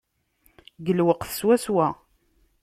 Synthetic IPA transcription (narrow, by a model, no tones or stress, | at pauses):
ɡəlwəqθə̥swæswæ